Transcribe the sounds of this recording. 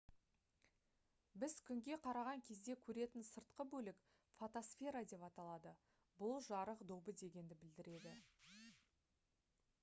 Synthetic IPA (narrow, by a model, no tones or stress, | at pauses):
bɪzkʲʰʏŋɡʲe̞qʰɑɾɑʁɑŋkʲʰe̞zd̪e̞kʲʰɵɾe̞t̪ɪnsəɾt̪̚qəbɵlɪk | fot̪osfʲe̞ɾad̪e̞pɑt̪ɑlˠɑd̪ə | bʊlˠʒɑɾəqd̪obəd̪e̞ɡʲe̞nd̪ɪbɪld̪ɪɾe̞d̪ɪ